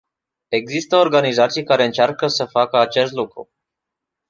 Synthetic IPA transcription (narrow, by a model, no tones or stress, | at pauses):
e̞ɡzist̪əo̞rɡanizat̪sijkaɾe̞ɨnt͡ʃarkəsəfakəat͡ʃe̞st̪lukɾṵ